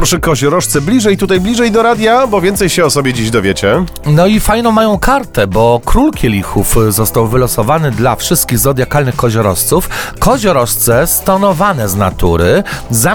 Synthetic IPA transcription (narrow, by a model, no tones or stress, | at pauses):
pɾɔʂɛkɔʑɔɾɔʂt̪sɛblʲiʐɛjt̪ut̪ajblʲiʐɛjd̪ɔɾad̪ʲjabɔvʲjɛnt̪sɛjɕɛɔsɔbʲjɛd͡ʑiʑd̪ɔvʲjet͡ɕɛ | nɔifajnɔ̃w̃majɔ̃w̃kʰaɾt̪ɛbɔkɾulkʲɛlʲixufzɔst̪awvɘlɔsɔvanɘd̪lafʂɘst̪̚kʲiɣzɔd̪jakalnɘxkɔʑɔɾɔ̰st̪sufkɔʑɔɾɔʂt̪sɛst̪ɔnɔvanɛzna̰t̪uɾɘza